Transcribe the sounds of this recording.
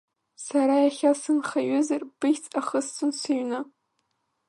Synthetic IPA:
saɾajaχʲasɨnχaɥʊzarb̥ɨjt͡sʼaχəst͡sʰʊnsɨɥna

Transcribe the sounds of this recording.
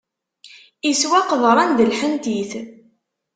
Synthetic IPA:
iswæqəðˤɾˤɑnd̪əlħənt̪iθ

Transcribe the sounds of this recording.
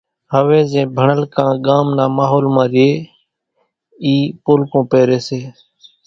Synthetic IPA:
ɦəʋẽːzẽːbʱəɳəlkãːɠaːmnãːmaːɦoːlmãːɾɪjeː | iːpoːlkõːpeːɾeːseː

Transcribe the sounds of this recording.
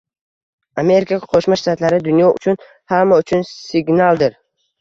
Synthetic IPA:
ame̞ɾɪkʰaqʰoʃmaʃt̪at̪laɾɪd̪ʊnjɒʔʊ̰t͡ʃʰʊn | hamːaʊt͡ʃʰʊnsɪɡnalˠd̪ɪɾ

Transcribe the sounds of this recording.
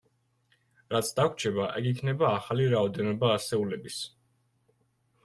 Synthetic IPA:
ɾat̪sʰd̪akʷʰt͡ʃʰɛbaʔɛɡikʰnɛbaːχaliɾaɔd̪ɛnɔbaːsɛulɛbis

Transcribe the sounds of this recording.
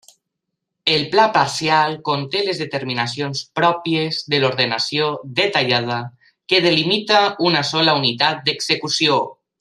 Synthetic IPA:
elplapaɾsjalˠkont̪elezðet̪eɾminasionspɾɔpjezðeloɾðenasiod̪et̪aʎað̞a | keð̞elimit̪aunasɔlaunit̪at̪̚d̪eɡzekusio

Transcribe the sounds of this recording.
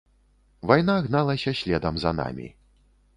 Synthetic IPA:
vajnaɣnalˠɐsʲɐsʲlʲɛd̪ɐmzɐ̰na̰mʲḭ

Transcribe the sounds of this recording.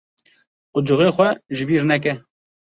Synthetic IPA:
qʊd͡ʒʊɣeːxʷɛʒɪbiːɾnɛk̬ɛ

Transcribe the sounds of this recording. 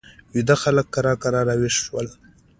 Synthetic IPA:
wid̪axaləkːaɾɑkaɾɑɾawiʂʃwəl

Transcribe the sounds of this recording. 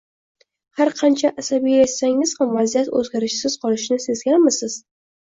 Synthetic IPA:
haɾqʰɑnt͡ʃʰaʔasabijajet̪saŋɪz̥hamvazijat̪ɵ̰zɡʲaɾɪʃsɪz̥qʰɒlɪʃnɪse̞zɡʲanmɪsɪz̥

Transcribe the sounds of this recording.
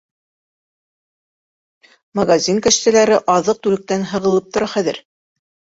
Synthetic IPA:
mɐɡazʲiŋkɘ̆ʃt̪æ̆læɾɘʔɑðɤq̚t̪ʉlɘ̆k̚t̪ænɦɤ̆ʁɤ̆lˠɤp̚t̪ŏɾɑχæðɘ̰ɾ

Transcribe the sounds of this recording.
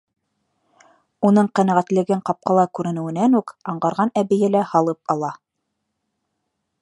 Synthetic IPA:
unɤɴqænæʁæt̪lɘ̆ɡɘɴqɑp̚qɑlˠɑkʉɾɘ̆nɘ̆wɘ̆nænʉkɑɴɢɑɾʁɑnæβɘ̆jælæhɑlˠɤp̚ɑlˠɑ

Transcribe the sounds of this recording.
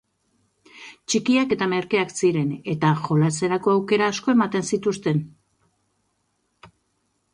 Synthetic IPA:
t͡ʃikiake̞t̪ame̞ɾke̞aksiɾe̞ne̞t̪aʝo̞lat͡se̞ɾako̞awke̞ɾaːsko̞e̞mat̪e̞nsit̪ust̪e̞n

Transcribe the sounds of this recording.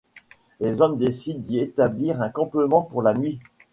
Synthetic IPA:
lezɔmd̪esid̪ːiet̪abliʁɛ̃kɑ̃pəmɑ̃puʁlanɥi

